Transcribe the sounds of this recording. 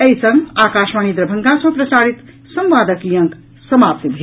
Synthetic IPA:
ejsʌŋakaʃmanid̪ɾəbʱəŋɡasʌ̃pɾɐsaɽit̪ | sʌ̃mʋaːd̪əkjʌŋk | sʌmap̚t̪ibʱe

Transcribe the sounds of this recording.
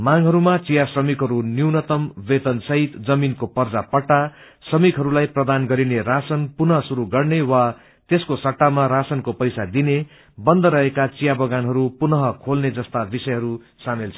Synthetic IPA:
maŋɦʌɾumat͡sijasrʌmikɦʌɾuniwnʌt̪ʌmʋet̪ʌnsʌɦit̪d͡zʌminkopʌrd͡zapʌʈːa | srʌmikɦʌɾulajprʌd̪anɡʌɾineɾasʌnpunʌɦʌsuɾuɡʌrnewa | t̪eskosʌʈːamaɾasʌnkopʌjsad̪ine | bʌnd̪ʌɾʌɦekat͡sijabʌɡanɦʌɾupunʌɦʌkʰolned͡zʌst̪abisʌjɦʌɾu | samelt͡sʰʌ

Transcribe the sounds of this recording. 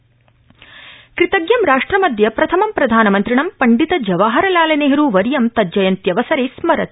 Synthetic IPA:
kɾit̪ɐɡjɐmɾaːʂʈɾɐmɐd̪ʱjɐpɾɐt̪ʰɐmɐmpɾɐd̪ʱaːnɐmɐnt̪ɾiɳɐmpɐɳɖit̪ɐd͡ʒɐʋaːɦɐɾɐlaːlɐneːɦɐɾuːʋɐɾijɐmt̪ɐd͡ʒɐjɐnt̪jɐʋɐsɐɾeːsmɐɾɐt̪̚

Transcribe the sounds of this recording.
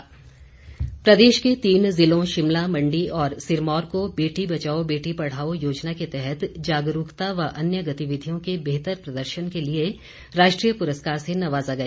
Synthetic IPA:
pɾɐd̪eːʃket̪iːnzɪlõʃɪmlamɐ̃ɳɖiɔːɾsɪɾmɔːɾkobeːʈibɐt͡ʃaːobeːʈipɐɽ̤aːojoːd͡ʒnaket̪ɛɦɛt̪d͡ʒaːɡɾuːkt̪aʋɐʔɐnjəɡɐt̪iʋɪd̪ʱijõkebeːt̪əɾpɾɐd̪əɾʃənkelie | ɾaːʃʈɾiːjəpʊɾəskaːɾsenɐʋaːzaɡɐeː

